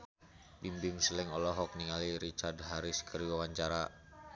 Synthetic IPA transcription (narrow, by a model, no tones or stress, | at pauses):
bimbɪŋsəlɛŋɔlɔɦɔk̚niŋaliɾit͡ʃardɦaɾiskəɾiwawaɲt͡ʃaɾa